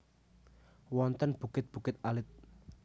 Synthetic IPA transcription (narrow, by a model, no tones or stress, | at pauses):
wɔnt̪ənb̥ṳɡɪt̪̚b̥ṳkɪt̪̚alɪt̪̚